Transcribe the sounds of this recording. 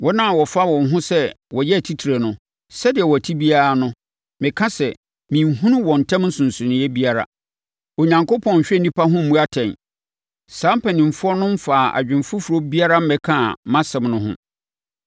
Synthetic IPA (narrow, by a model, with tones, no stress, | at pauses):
wɔ˦nã˦˨wɔ˨fa˦wɔ̃˨nɦʊ̃˦sɛ˦wɔ˨jɛ˦˨tʰi˦tʰi˨ɾe˨nʊ̃˦ | sɛ˦dɪ˨ɛ˨wɔ˨tʰi˦bi˦a˨ɾa˨nʊ̃˦ | mɪ̃˨kʰã˦sɛ˨ | mĩ˨mɦũ˦nʊ̃˦wɔ̃˨n̩˨tʰã˦mn̩˦sʊ̃˨n̩˨sʊ̃˨nɪ̃˨˦jɛ˦bi˦a˦ɾa̰˨ | o˨ɲã˨ŋko˦pʰɔ̃˦ɲ̩˨ɕᶣɛ˦˨nĩ˦pʰa˦ɦʊ̃˦m̩ː˨ũ˦a˦tʰɛ̃˨n | sãː˦m˦pʰɛ˨nĩ˨m˨fʊ˦ɔ˦nʊ̃˦m̩˦faː˨ʔa̰˨d͡ʑᶣɪ̃˨m˨fʊ˦fu˨ɾo˦bi˦a˦ɾa˦m̩˦mɛ̃˦kʰã˦˨mã˦sɛ̃˨mnʊ̃˦ɦʊ̰̃˦